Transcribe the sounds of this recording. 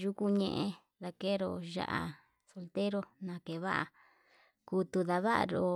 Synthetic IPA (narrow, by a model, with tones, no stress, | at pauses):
ʒu˦ku˧ɲẽ˧ʔẽ˧ | ða˧ke˦ɾo˧˨ʒa̰˧ʔa̰˧ | so˧lt̪e˦ɾo˦˧nã˧ke˨βa˦ʔa̰˧ | ku˧˦t̪u˧ða˧βa˦ʔa̰˧ɾo˧